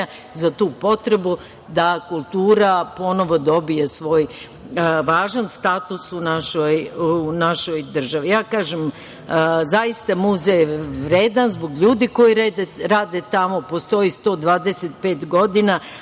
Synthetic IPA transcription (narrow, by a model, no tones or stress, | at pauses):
a | zat̪uːpo̞t̪ɾe̞bu | d̪akulˠt̪uːɾapo̞no̞ʋo̞d̪o̞bije̞sʋo̞ːj | ʋaːʒanst̪aːt̪usunaʃojunaʃojd̪r̩ʒaʋijaːkaːʒem | zajist̪amuzejʋɾeːd̪anzbo̞ɡʎuːd̪iko̞jiɾeeɾaːd̪et̪amo̞po̞st̪o̞jist̪o̞ːd̪ʋaːd̪eset̪̚peːt̪ɡo̞d̪ina